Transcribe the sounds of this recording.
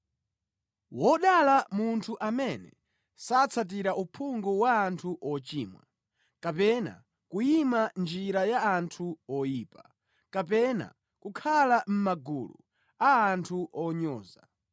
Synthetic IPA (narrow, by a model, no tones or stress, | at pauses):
wɔɗalamuntʰuʔamɛnɛ̰ | sat͡sʰat̬iɾaʔupʰuŋɡuwaːntʰuʔɔt͡ʃiːmwa̰ | kap̬ɛna̰ | kujimand͡ʒiɾajaantʰuɔjiːpa | kap̬ɛna̰ | kukʰalam̩maɡulṵ | aːntʰuʔɔɲɔ̰ːza